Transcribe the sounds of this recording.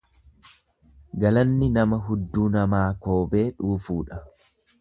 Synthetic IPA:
ɡɐlɐnːɪnɐmɐɦʊd̪ːuːnɐmaːkoːbe̞ːᶑuːfuːᶑɐ

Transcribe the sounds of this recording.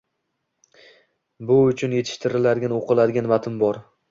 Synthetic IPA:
bʊʊt͡ʃʰʊnje̞t̪ʰɪ̥ʃt̪ʰɪɾɪlad̪ɪɡʲanoqʰɨlˠad̪ɪɡʲanvat̪ʰɪmbɒɾ

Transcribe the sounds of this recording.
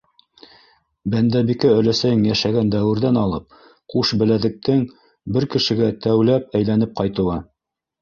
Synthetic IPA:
bænd̪æbikæɵ̆læsæjɘŋjæʃæɡænd̪æwɘ̆ɾðænɑlˠɤp̚ | quʃbɘ̆læðɘ̆k̚t̪ɘŋ | bɘɾkɘ̆ʃɘ̆ɡæt̪æwlæp̚æjlænɘp̚qɑjt̪ɤ̆lˠɑ

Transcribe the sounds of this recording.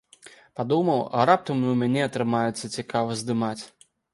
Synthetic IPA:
pad̪umɐwɾap̚t̪ɐmnɨwmʲanʲɛɐt̪ɾɨmajɛt̪sːɐt͡sʲikavɐzʲd̪ɨmat͡sʲ

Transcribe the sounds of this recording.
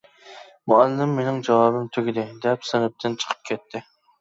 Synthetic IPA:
muælːɪmːenɪŋd͡ʒɑwɑːbɨmt̪ʰøɡʲid̪ɪd̪ɛpsɨnɨp̚t̪ʰɨnt͡ʃʰə̥qʰə̥p̚kʲʰɛt̪ʰːɪ

